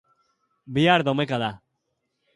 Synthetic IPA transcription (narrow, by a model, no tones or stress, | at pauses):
bijaɾd̪ɔmekad̪a